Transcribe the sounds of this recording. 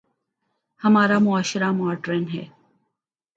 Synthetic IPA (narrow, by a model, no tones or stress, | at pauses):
hɐmaːɾamʊaːʃɾamʊaːʈɾenɦɛ̰ː